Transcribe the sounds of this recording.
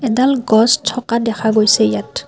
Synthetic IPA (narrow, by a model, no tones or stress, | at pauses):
ɛdalɡɔstʰːɔkadɛkʰaɡojsɛjat